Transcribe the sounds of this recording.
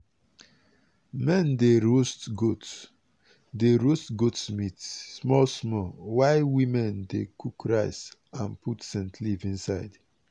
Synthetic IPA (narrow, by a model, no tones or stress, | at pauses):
mɛ̃ndeɹostɡot | deɹostɡotsmitssmɔlsmɔlwaɪwĩmɛ̃ndekukʰɹaɪsãnpʰutsɛ̃ntʰlivĩnsaɪd